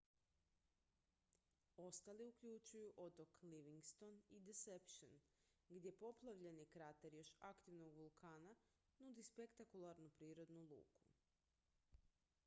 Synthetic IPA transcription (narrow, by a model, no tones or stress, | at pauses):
o̞st̪aliukʎut͡ʃujuʔo̞t̪o̞kliʋiŋɡst̪o̞nid̪esepʃenɡd̪je̞po̞plˠaʋʎe̞nikɾat̪eɾjo̞ʃakt̪iʋnoɡʋulˠkʰaːna | nud̪ispe̞kt̪akulˠaɾnupɾiːɾo̞d̪nulˠṵːkʰu̥